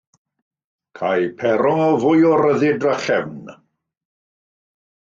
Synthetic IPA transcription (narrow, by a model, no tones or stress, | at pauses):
kʰajpʰɛɾɔɔvʊjɔɾəðɪdraχɛvn